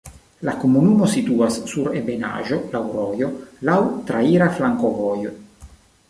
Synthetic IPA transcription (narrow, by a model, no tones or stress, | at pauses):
lakomunumosit̪uasːuɾebena̰ʒolawɾɔːjolawt̪ɾaiːɾaflaŋkovɔjo